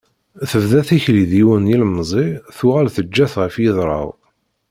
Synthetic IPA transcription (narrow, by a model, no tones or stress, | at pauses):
θəvðæθiçliðiwənjilmzˤiθuʁælθəd͡ʒːæθʁəfjəðˤɾˤɑ̰w